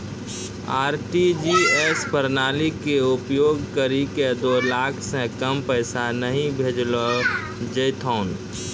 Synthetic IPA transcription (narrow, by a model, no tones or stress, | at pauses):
aːɾʈid͡ʒieːspəɾnaːlikeʊpjoːɡkəɾiked̪oːlaːkʰsẽkəmpəɪsanəɦĩbʱeːd͡ʒlo | d͡ʒəjt̪ʰoːn